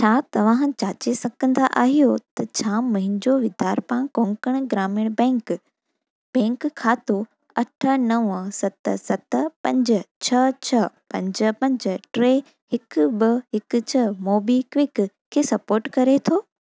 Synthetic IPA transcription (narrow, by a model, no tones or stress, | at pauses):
t͡ɕʰaːt̪ɐʋ̤ãːɦ̆t͡ɕaːt͡ɕesɐɡə̃nd̪aʔa̰ːɦijot̪ɐt͡ɕʰaːmɐ̃ɦɪ̃nd͡ʑoʋɪd̪ʱaːɾpãːkõːŋkəɽ̃ɡɾaːmɪɽ̃bɛ̃ːŋk | bɛ̃ːŋkʰːaːt̪o | ɐʈʰə̆nɐʋəsɐt̪əsɐt̪əpɐ̃ɲd͡ʑə̆t͡ɕʰɐt͡ɕʰɐpɐ̃ɲd͡ʑə̆pɐ̃ɲd͡ʑəʈɾeː | hɪkbɪɦɪkʊ̆t͡ɕʰɐmoːbikʋɪk | kʰːeːsɐpoːɾʈkɐɾet̪ʰoː